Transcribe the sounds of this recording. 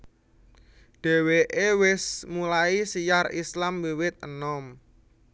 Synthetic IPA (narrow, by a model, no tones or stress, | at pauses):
ɖ̥ɛ̤weʔewɪsmulaisijarislamwiwɪt̪̚ənɔm